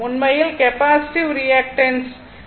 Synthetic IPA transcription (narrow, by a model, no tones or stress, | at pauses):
ʊnmɐjilkepaːsi̥ʈiʋɾiɛk̚ʈɐns